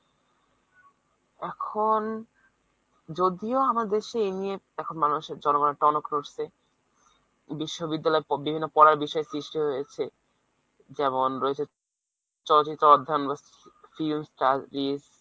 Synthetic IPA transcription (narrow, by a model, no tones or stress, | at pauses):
ɛkʰon | d͡ʑod̪ioamaɾd̪eʃeenie | ɛkʰonmanuʃeɾd͡ʑɔnoɡoneʈɔnokɾoɾse | biʃːobid̪ːalɔebibʱinːopɔɾaɾbiʃɔesɾiʃʈiɦojet͡ɕʰe | d͡ʑɛmonɾɔet͡ɕʰe | t͡ɕɔlot͡ɕit̪ːoɔd̪ʱːaunbasifilmsʈaɾiz